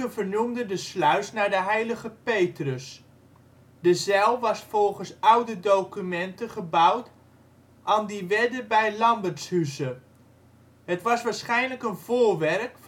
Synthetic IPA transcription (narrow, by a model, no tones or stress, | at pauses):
əvəɹnumdədəslœɥsnaːɹdəɦɛjləχəpejtrəs | dəzɛlˠʋɑsfɔlˠχənsʌwdədowkymɛntəχəbʌwt | ʔaːndiʋɛdəbɛjlɑmbəɹtshysə | ɦətʋɑsʋaːɹsχɛjnləkənvʊːɹʋɛɹk